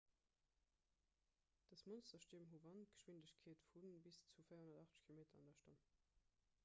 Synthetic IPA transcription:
d̥ɑsmonstɐʃtiːmɦuvɑntɡ̥ə̥ʃwindəɕkʰeːtfunbist͡sufɜɪɐhonɐdɑχtkʰilomeːtɐɑ̰ndɐʃtɑn

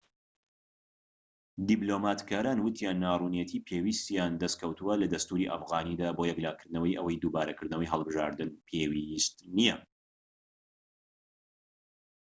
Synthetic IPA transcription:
d̪iblomaːt̪kaːɾaːnwɨt̪ʰijanːaːruːnjɛt̪ʰiːpʰewist̪jaːnd̪ɐst̪̚kʰɐwt̪ʰuwɐlɐd̪ɐst̪uːɾiʔɐ̰fɣaːnid̪aːbojɛklaːkʰɨɾd̪nɐwɐjʔɐwɐjd̪uːbaːɾɐkɨɾd̪nɐwɐjɦəlˠbɨʒa̰ːɾd̪ɨnpʰewist̪nijɛ

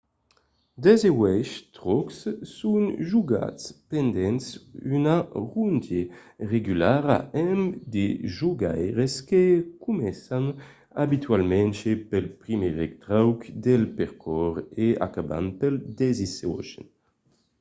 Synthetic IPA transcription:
d̪ɛzewɛʃt̪ʁɔkssunʒuɡa̰tspɛnd̪ɛnsynaʁund̪jeʁeɡylaʁa̰ɛmd̪eʒuɡajʁeskekumɛsan | abit̪ɥalmɛ̃nʃepɛlpʁimeʁɛkt̪ʁawkd̪ɛlpɛʁkʰɔʁea̰kaba̰npɛld̪ɛzesɔ̰ʃɛ̰n

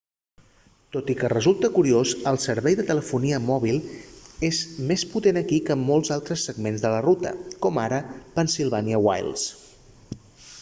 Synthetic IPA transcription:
t̪ot̪ikərəzulˠt̪əkuɾiozəlˠsəɾβɛjðət̪ələfuniəmɔβ̞ilˠezmesput̪enəkikəmːɔlˠzalˠt̪ɾəsːəɡmenzðələrut̪ə̰kɔmaɾəpənsilˠβ̞aniəwa̰jlˠs

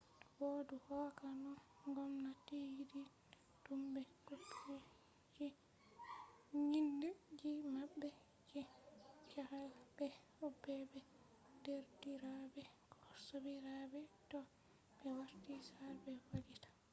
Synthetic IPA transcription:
twoduhɔkanɔŋɡɔmnatijidi | tumbɛɡupːu | d͡ʒi | ɲindɛd͡ʒimaɓːɛ | d͡ʒit͡ʃahalbɛhɔbɛbɛ | deɾdiɾabɛkɔsobiɾabɛtɔ | bɛwaɾtisaɾbɛwalitḁ

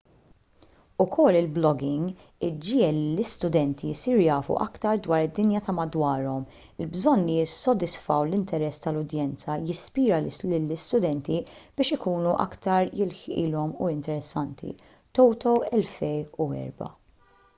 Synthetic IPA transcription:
ʊkʰɔlːɪlblɔɡɪŋɡ | ɪd͡ʒɪːɛlːilɪst̪ʊd̪ɛnt̪isiːɾjɐːfṵʔɐkt̪ɐɾd̪wɐːɾɪd̪ːɪnjɐt̪ɐmɐd̪wɐːɾɔm | ɪlbzɔnːijɪsːɔd̪ɪsfɐwlɪnt̪ɛɾɛsːt̪ɐlʊd̪jɛnt͡sɐjɪspiːɾɐlɪlːɪst̪ʊd̪ɛnt̪ib̥ɪːʃɪkuːnuʔɐ̰kt̪ɐɾjɪlħʔɪ̰ːlɔmuɪnt̪ɛɾɛsːɐnt̪ʰḭ | t̪ɔwt̪ɔwɛlfɛjuɛ̰ːɾbɐ̰

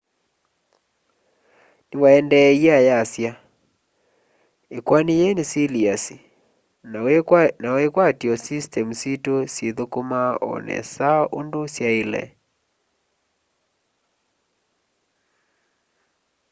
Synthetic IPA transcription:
newaɛndɛiajasja | ekwanejenesiliasi | nawekwatiɔsistɛmusitosjeðokomaɔ̰nɛ̰saʔondosjaelɛ̰

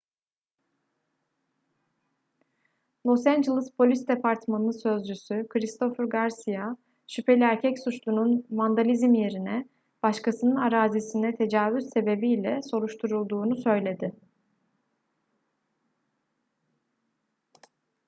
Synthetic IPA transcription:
lˠo̞sænd͡ʒelˠispʰo̞lʲistd̪e̞pʰaɾt̪manˠɯsø̞zd͡ʒysykʰɾist̪ʰo̞fɯɾɡaɾsija | ʃypʰe̞lʲiæɾcʰɛcsut͡ʃlˠununvand̪alʲizimje̞ɾinɛ | b̥aʃkʰasɯnɯnaɾaːzisinɛt̪ʰe̞d͡ʒaːvyzse̞be̞bijlʲɛso̞ɾuʃt̪ʰuɾulˠd̪uːnusø̞jlʲe̞d̪ɪ

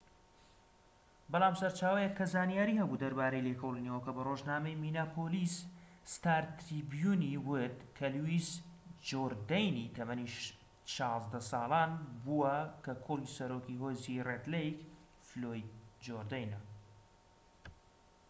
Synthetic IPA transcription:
bɑlˠaːmsɐɾt͡ʃaːwɐjɛkʰːɐzaːnijaːɾiːhɐbud̪ɐɾbaːɾejleːkʰowlˠinewəkɐbɐroʒnaːmejminaːpʰoːlisst̪aːɾt̪ɾibjuniwɨt̪kʰɐlwisd͡ʒoɾd̪ejnit̪ʰɐmɐni | ʃɑːzd̪ɐsɑːlˠaːnbuwɐkɐkʰulisɐɾoːkiɦoːziret̪lejk | flojid̪̚d͡ʒoɾd̪ajnɐ

